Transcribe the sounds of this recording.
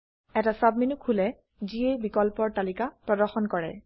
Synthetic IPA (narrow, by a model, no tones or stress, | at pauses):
ɛtasab̚minukʰːulɛ | ziejbikɔlpɔɹtalikapɹɔdɔɹxɔnkɔɹɛ̰